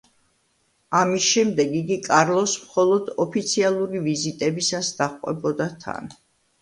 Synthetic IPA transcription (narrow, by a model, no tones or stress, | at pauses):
amisʃɛmd̪ɛɡiɡikʼaɾlˠɔsmχɔlˠɔd̪ɔpʰit̪sʰialˠuɾivizit̪ʼɛbisasd̪̥aχqʼwɛ̰bɔd̪at̪ʰa̰n